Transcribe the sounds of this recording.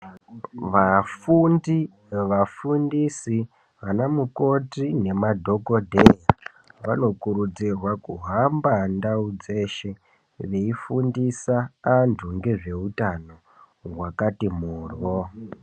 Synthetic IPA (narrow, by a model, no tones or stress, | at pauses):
ʋafundi | ʋafundisi | ʋanamuko̞tine̞madʱo̞ko̞dʱeja | ʋano̞kuɾud͡zirwakuɦambandaud͡ze̞ʃe̞ | ʋe̞ifundisaːntʰuŋɡe̞ʐe̞utano̞ | ɦwakatimuːrʋo